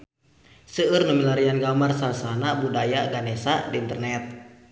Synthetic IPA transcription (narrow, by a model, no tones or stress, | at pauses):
səɨrnumilaɾianɡamarsasanabudajaɡanɛsadiːnt̪ərnɛt̪̚